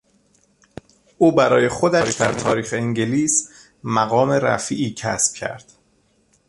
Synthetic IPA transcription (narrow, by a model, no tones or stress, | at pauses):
ʔuːbæɾɒːje̞xod̪æɾiːd̪æɾt̪ʰɒːɾiːxeeŋɟeliːs | mæɣɒːme̞ɾæ̰fḭːʔiːcʰæ̰sb̥̚cʰæ̰ɾd̪̥